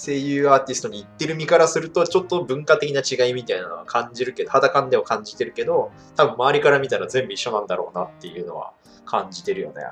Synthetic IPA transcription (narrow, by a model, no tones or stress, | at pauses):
se̞ːjɯ̟ːaːt̪ʲisɨ̥t̪o̞ɲ̟iːt̪ːe̞ɾɯ̟mʲikaɾasɨɾɯ̟t̪o̞t͡ɕo̞t̪ːo̞bɯ̟̃ŋkat̪ekʲinat͡ɕiɡaimʲit̪aina̰noakʰãɲd͡ʑiɾɯ̟ke̞d̪ohad̪akãnd̪e̞makãɲ̟d͡ʑit̪e̞ɾɯ̟ke̞d̪o̞ | t̪abɯ̟̃mːaːɾʲikaɾamʲit̪aɾazẽ̞mbɯiɕːo̞nãnd̪aɾo̞ːnat̪ːe̞jɯ̟ːno̞̰βa̰ | kʰãɲd͡ʑit̪e̞ɾɯ̟jo̞̰nḛ